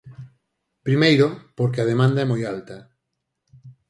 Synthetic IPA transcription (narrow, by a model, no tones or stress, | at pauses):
pɾimejɾopoɾk̬eaðemãnd̪aɛmojalt̪ɐ